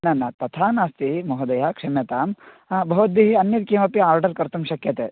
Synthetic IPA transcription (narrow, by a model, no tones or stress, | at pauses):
nɐnːɐt̪ɐt̪ʰaːnaːst̪imɐɦɐd̪ɐjaːkʂɐmjɐt̪aːm | bʱɐʋɐd̪ːiɦiɐnjɐd̪̚kimɐpiaːɾɖɐɾkɐɾt̪ɐmʃɐkjɐt̪ḛː